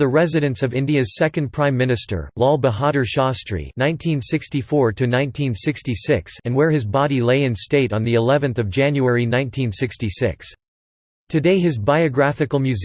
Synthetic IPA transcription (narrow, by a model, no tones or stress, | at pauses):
ðɨɹɛzɨɾɨ̃nsʌvɪ̃ndiɨz̥sɛkɨ̃ndpʰɹ̥ãɪ̃mːɪ̃nɨstə̰˞lɔlˠbəɦɑɾə˞ʃɑstɹ̥ḭnãɪ̃ntʰĩnsɪkstifɔɹɾɨnãɪ̃ntʰĩnsɪkstisɪksɨ̃nwə˞ɨzbɑɾileɪɨ̃nsteɪɾn̩ðiɨlɛvɨ̃nθʌvd͡ʒæ̃njuɛɹinãɪ̃ntʰĩnsɪkstisɪ̰ks | tʰɨdeɪɨzbaɪɨɡɹæfɨkl̩ˠmjʉz